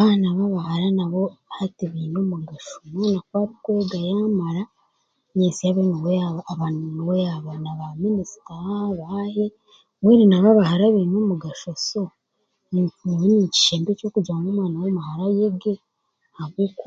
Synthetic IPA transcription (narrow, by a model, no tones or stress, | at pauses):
βaːnaβaβahaɾanaβo̞hateβiːnoːmuɡaʃomanakwaːɾikweːɡajaːmaɾa | ɲeːsijaβeniweaβanweaβanaβaminisi̥taβahe | mweɾinaβaβahaɾaβiːnoːmuɡaʃoso | βinici̥ʃeːmbeco̞ːkud͡ʒaːŋɡomwaːnawomahaɾajeɡe | haβik